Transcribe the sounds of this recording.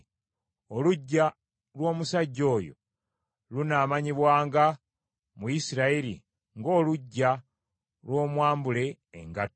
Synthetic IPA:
oluɟːa | lwo̞ːmusaɟːo̞ːjo̰ | lunaːmaɲiβwaːŋɡa | mujisiɾaiɾḭ | ŋɡo̞ːluɟːa | lwo̞ːmwaːmbule̞̰ː | ŋɡat

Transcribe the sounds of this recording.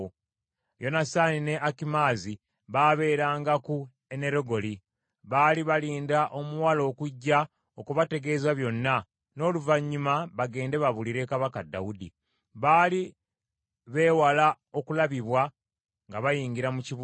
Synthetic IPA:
jo̞nasaːnine̞ʔakimaːzi | βaːβe̞ːɾaːŋɡaku | e̞ne̞ɾo̞ɡo̞li | βaːliβaliːndaʔo̞muwalo̞ːkuɟːa | okuβate̞ɡe̞ːzaβjo̞nːa | no̞ːluvaɲːumaβaɡe̞ːnde̞βaβuliɾe̞kaβakadːa̰wudḭ | βaːli | βe̞ːwala | o̞kulaβiβwa | ŋɡaβajiːɲɡiɾamuciβ

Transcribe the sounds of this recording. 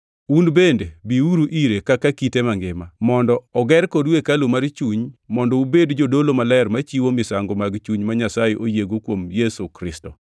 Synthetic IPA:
unbendebiuɾuʔiɾekakakitemaŋɡɪmamɔndɔɔɡɛɾkɔdwekalomaɾt͡ʃuɲmɔndɔubedd͡ʒodolomalɛɛɾmat͡ʃiwomɪsaŋɡomaɡt͡ʃuɲmaɲasajeʔojeɡokwomjɛsukɾɪstɔ

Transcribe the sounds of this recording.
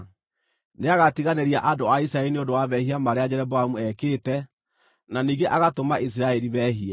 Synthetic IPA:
neaɣatiɣaneɾiaʔadoaisiɾaɛɾineondowaβɛhiamaɾead͡ʑɛɾɛbɔamuɛkeːtɛ | naniːɡeʔaɣatomaʔis̬iɾaɛɾiβɛɦiɛ

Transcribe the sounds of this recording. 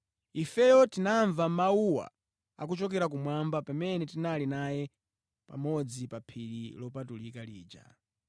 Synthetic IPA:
ifɛjɔtinaɱvamauwa̰ | a̰k̬ut͡ʃɔk̬ɛɾak̬umwambapamɛnɛtinalinajɛ | pa̰mɔd͡zipapʰiɾḭlɔpatulikaliːd͡ʒa̰

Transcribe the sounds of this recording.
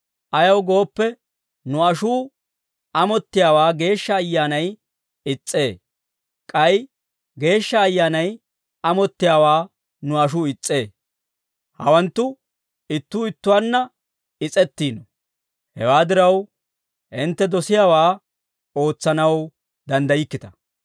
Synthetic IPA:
ʔɐjɐwɡo̞ːpːɛ | nʊɐʃuː | ʔɐmɔt̪ːɪjaːwaːɡe̞ːʃːɐːjːaːnɐj | ɪt͡sʼːe̞ː | kʼɐj | ɡe̞ːʃːɐːjːaːnɐj | ɐmɔt̪ːɪjaːwaː | nʊɐʃ̬uːɪt͡sʼːe̞ː | hɐ̰wɐnt̪ːʊ | ɪt̪ːuːɪt̪ːʊwaːnːɐ | ɪt͡sʼɛt̪ːiːnɔ | hɛ̰waːd̪ɪɾɐw | ʔɪnt̪ːɛd̪ɔsɪjaːwaː | o̞ːt͡sːɐnɐw | d̪ɐnd̪ɐjɪkːɪt̪ɐ

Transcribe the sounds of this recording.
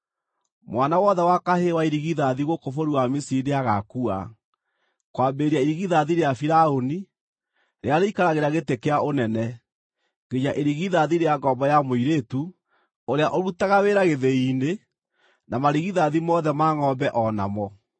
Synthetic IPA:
mwanawɔðɛwakahewaiɾiɣiðaðiɣokofoɾuwamisiideaɣakua̰ | kwambeɾiaiɾiɣiðaðiɾeafiɾaoni | ɾeaɾeikaɾaɣeɾaɣetekeaʔonɛnɛ | ɡeɲaʔeɾiɣiðaðiɾeaɡɔbɔjamoiɾetu | oɾeaʔɔɾutaɣaweɾaɣeðeiːne | namaɾiɣiðaðimɔðɛmaŋɔbɛʔɔna̰mɔ

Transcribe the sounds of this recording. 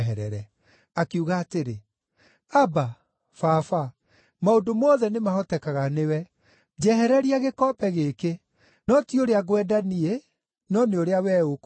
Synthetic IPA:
ɦɛɾɛ̰ɾɛ | akeuɣaːteɾe | aba | fafa | maodomɔðɛnemahɔtɛkaɣanewɛ | d͡ʑɛɦɛɾɛɾiaɣekɔpɛɣeke | nɔtioɾeaɣwɛdanie | nɔneoɾeawɛːok

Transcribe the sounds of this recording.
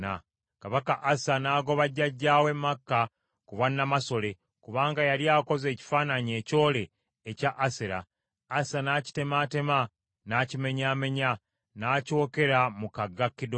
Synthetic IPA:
a̰ | kaβakaʔasanaːɡo̞βaɟːaɟːaːwe̞mːakːa | kuβanːamaso̞le̞ | kuβaːŋɡajaljaːko̞ze̞ːci̥faːnaɲie̞ːco̞ːle̞ː | caʔːseɾa̰ː | sanaːci̥te̞maːte̞ma | naːcime̞ɲaːme̞ɲa | naːco̞ːke̞ɾamukaɡːakːido

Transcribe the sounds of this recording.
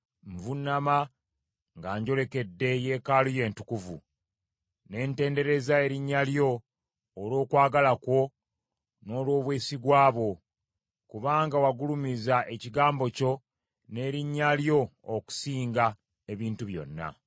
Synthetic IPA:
ɱvunːama | ŋɡaːɲɟo̞le̞ke̞dːe̞je̞ːkaːluje̞ːntu̥kuvṵ | ne̞ːnte̞ːnde̞ɾe̞zae̞ɾiɲːaljo̞ː | lo̞ːkwaːɡalakwo̞ | no̞ːlwo̞ːβweːsiɡwaːβo̞ | kuβaːŋɡawaɡulumizaʔeciɡaːmbo̞co̞ | ne̞ːɾiɲːaljo̞ːku̥siːŋɡa | e̞βiːntuβjo̞̰nːa̰

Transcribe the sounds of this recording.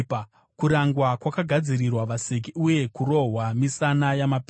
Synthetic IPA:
kuɾaŋɡwakwakaɡʱad͡ziɾirwaʋasek̬iuje̞kuɾo̞ɦwamisanajamapː

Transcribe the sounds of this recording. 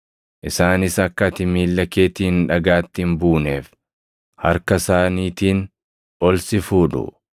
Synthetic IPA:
ʔɪsaːnɪsɐkːɐt̪ɪmiːlːɐkeːt̪iːnᶑɐɡaːt̪ːɪmbuːneːf | hɐ̰ɾkɐsaːniːt̪iːn | ɔlsɪfuːᶑʊ̰

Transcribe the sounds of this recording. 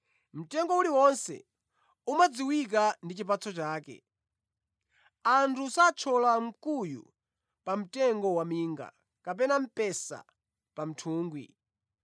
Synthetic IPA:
m̩tɛŋɡɔuliwɔnsɛ̰ | umad͡ziwik̬andit͡ʃip̬at͡sʰɔt͡ʃaːkɛ̰ | antʰusat͡ʃʰɔlam̩kujṵ | pam̩tɛŋɡɔwamiːŋɡa̰ | kapɛnam̩pɛsa̰ | pam̩tʰuːŋɡwi

